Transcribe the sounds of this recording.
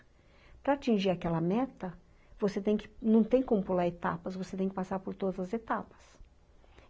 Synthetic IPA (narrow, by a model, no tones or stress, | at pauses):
pɾɐat͡ʃĩʒiɾakɛlɐmɛt̪ɐ | voset̪ẽj̃kɪ̥nɐ̃w̃t̪ẽj̃kõmʊpulaɾet̪a̰pɐsvoset̪ẽj̃kɪpasaɾpoɾt̪od̪ɐzɐzet̪apɐ̥s